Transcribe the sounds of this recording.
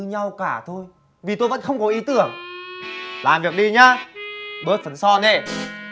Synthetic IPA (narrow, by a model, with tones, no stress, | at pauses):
ɨ˨˦ɲa˧wkaː˧˩t̪ʰo˧j | vi˨˩t̪o˧jvə̰˧˥nxə˧wŋ͡mkɔ˨˦ʔi˨˦t̪ɨ˧˩əŋ | laː˨˩mvi˨˩ək̚ɗi˧ɲaː˧ɓə˨˦˥t̚fə˨˦nsɔ˧ne˧˩